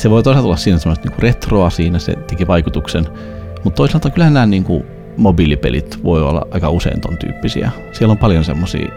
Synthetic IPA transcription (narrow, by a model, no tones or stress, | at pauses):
seʋoit̪oˑisɑlt̪olɑssiːnæsemːost̪niːŋkuret̪roɑsiːnæsḛt̪ekiʋɑikut̪uksen | mut̪t̪oisisɑlt̪ɑŋkylhænnæːnniːŋkṵ | mobilipḛlḭt̪ʋoio̰lːɑ̰ʔɑikɑusḛḭnt̪o̰nt̪y̰ːpːisḭæ̰ | sielːompɑljonsḛmːosḭː